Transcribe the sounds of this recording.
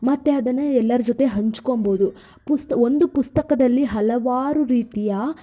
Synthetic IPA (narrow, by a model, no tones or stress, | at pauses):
mɐt̪ːe̞ɐd̪ɐnːɐɛlːɐɾɐd͡ʒot̪e̞ɦɐɲt͡ʃu̥komboːd̪u | pust̪ɐo̞nd̪upust̪ɐkɐd̪ɐlːiɦɐlɐʋaːɾuɾiːt̪ijɐ